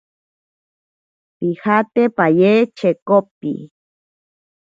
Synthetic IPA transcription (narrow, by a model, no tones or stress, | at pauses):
pixat̪epajeːt͡ʃekopḭ